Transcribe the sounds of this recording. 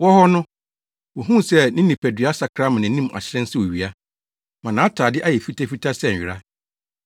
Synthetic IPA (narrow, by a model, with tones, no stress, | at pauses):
wɔ˦hɔ˦nʊ̃˦ | wɔ˨ɦũ˦˨sɛ˦nɪ̃˦nĩ˨pʰæ˨dɥa˦sa˨kʰɾa˦mã˨nɪ̃˨˦nĩ˦m˨a̰˨ɕɪ˦ɾɛ̃˦n̩˦sɪ˦wo˨ɥi˨a˦ | mã˨nã˨˦tʰaː˨dɪ˦ʔa˦jɛ˨fi˦tʰa˦fi˦tʰa˦sɛ˦˨ɥɪ˨ɾa˦